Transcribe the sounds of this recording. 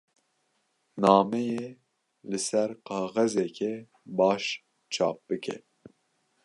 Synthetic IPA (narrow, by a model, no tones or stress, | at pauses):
nɑːmɛje | lɨsɛɾqɑːɣɛzɛkʰɛ | bɑːʃ | t͡ʃʰɑ̰ːp̚b̥ɨkʰɛ̰